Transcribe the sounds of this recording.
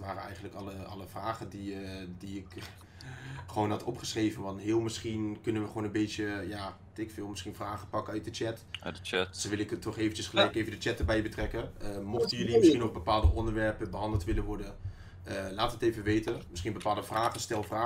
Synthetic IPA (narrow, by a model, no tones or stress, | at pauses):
tʋaːrəɛ̰jxəndləkɑləɑ̰ləvraːχəndidiɪk | χəʋoːnɦɑtʰɔpχəsreːvənʋɑntɦɪːəlˠmɪsχinkɵnənʋəχoːnənbeːjəja | tɪkfɪːlˠmɪsχinfraːχəpɑkəœɥt̚dət͡ʃɛt | soʋɪlˠɪktʰɔχeːvənt͡ʃəsχəlɛjkeːvəndət͡ʃɛt̚dəɹbɛjbətrɛkəəmoxtəjølimɪsχinoxbəpaːlˠdəʔɔndəɹʋɛɹpəbəɦɑndəlˠtʋɪlənʋɔɹdən | əlaːtəteːvəʋeːtəmɪsχiənbəpaːlˠdəfraːχəstɛlˠfraː